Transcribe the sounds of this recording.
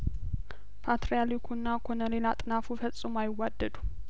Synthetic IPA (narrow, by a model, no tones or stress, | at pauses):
pʰat̪ɾijalikʰunːakʰonəle̞lat̪ʼɨnafufət͡sʼːumajɪwːad̪ːəd̪u